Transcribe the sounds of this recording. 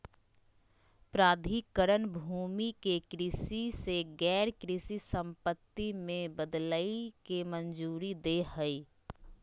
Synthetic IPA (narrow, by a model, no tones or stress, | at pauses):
pɾaːd̪ʱikəɾənbʱuːmikekɾɪsiseɡɛːɾkɾɪsisə̃mpət̪ːimẽbəd̪laːikemənd͡ʒuːɾid̪ehəi